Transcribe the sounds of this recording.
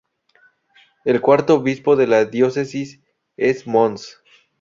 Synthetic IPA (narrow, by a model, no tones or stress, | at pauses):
elkwaɾt̪oːβispo̞ðe̞laðjo̞se̞sis | e̞smons